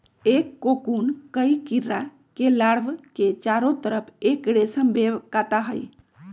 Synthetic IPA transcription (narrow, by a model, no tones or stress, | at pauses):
ekːokunkəjkiɾːa | kelaɽʋket͡ʃaɾot̪əɾəpʰekɽesəmbebkat̪aɦəj